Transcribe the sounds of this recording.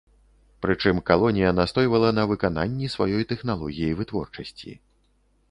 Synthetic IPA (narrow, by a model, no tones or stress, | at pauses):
pɾɨt͡ʂɨmkalˠɔnʲijɐnast̪ɔjvɐlˠɐnɐvɨkana̰nʲːisvajɔjt̪ɛxnalˠɔɣʲijivɨt̪vɔ̰rt͡ʂɐsʲt͡sʲḭ